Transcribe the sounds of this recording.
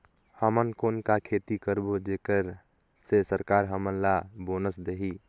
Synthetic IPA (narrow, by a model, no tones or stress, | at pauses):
həmənkonkakʰet̪ikəɾbod͡ʒekəɾ | sesəɾkaɾɦəmənlabonəsd̪eɦi